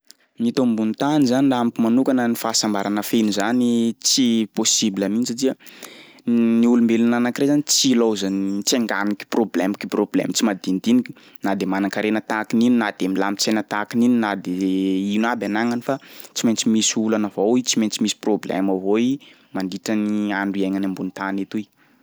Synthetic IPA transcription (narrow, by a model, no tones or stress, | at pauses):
mit̪ombunt̪anizaninɖ͡ʐamikimanukanənifaːsambaɾanəfenuzanit͡siposibilaminisatiə | niulumbelinanakiɾezanit͡silowzant͡seŋɡaniki̥problɛmiki̥problɛ̰mt͡simad̪ind̪inikʲi̥ | nad̪emanakaɾenət̪akinininad̪̥emilamit͡sajnət̪akinininad̪einabʲanaŋanifat͡siment͡simisulanavowit͡siment͡simisi̥problɛ̰mavoi | maɳdiʈ͡ʂəniaɳɖ͡ʐuiaŋanambunit̪anet̪uj